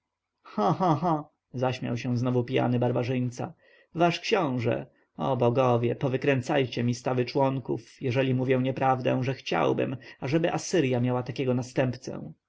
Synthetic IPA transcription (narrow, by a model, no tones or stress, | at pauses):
xãxãxã | zaɕmʲja̰wɕɛ̃znɔvupʲija̰nɘbaɾbaʐɘɲʲt̪sa̰ | vaʂkɕɔ̃w̃ʐɛ̰ | ɔbɔɡɔvʲjɛpɔvɘkɾɛnt̪sajt͡ɕɛmʲist̪avɘt͡ʂwɔŋkṵfjɛʐɛlʲimuvʲjɛw̃ɲɛpɾavd̪ɛ̰̃ʐɛxt͡ɕa̰wbɘ̰maʐɛbɘʔasɘɾjamʲjawat̪akʲɛɡɔnast̪ɛmpt̪sɛ̰̃